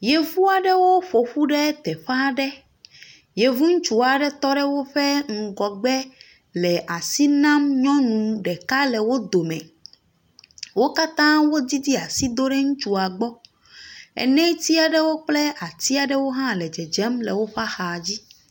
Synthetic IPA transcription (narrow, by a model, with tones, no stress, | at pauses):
je˨vu˦a˨ɖɛ˦wo˦ɸo˨ɸu˦ɖɛ˦t̪ɛ˨ɸa˦ɖɛ˦ | je˨vu˦ŋ̩̃˦t͡ʃu˨a˨ɖɛ˦t̪ɔ˦ɖɛ˦wo˦ɸɛ˦ŋ̩˨ɡɔ˨ɡ͡bɛ˦ | lɛ˨ʔa˨si˦nã˦mɲɔ̃˦nũ˨ɖɛ˨ka˦lɛ˨wo˦d̪o˨mɛ̃˨ | wo˦ka˦t̪ã˦wo˦d̪i˦d̪i˦a˨si˦d̪o˦ɖɛ˦ŋũ˦t͡ʃu˨a˨ɡ͡bɔ˦ | ɛ̰˨nɛ̃˦t̪i˦a˨ɖɛ˦wo˦k͡plɛ˦a˨t̪i˦a˨ɖɛ˦wo˦ɦã˦lɛ˨d͡ʒɛ˨d͡ʒɛ˦mlɛ˨wo˦ɸa˦xa˨d͡ʑi˦